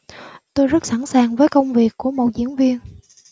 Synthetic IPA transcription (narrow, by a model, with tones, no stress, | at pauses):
t̪o˧jzə˦˥t̚sa˧˩nsaː˨˩ŋvəː˨˦jkə˧wŋ͡mvi˨˩əkːu˧˩əmo˨˩zḭ˧˥ənvi˧ən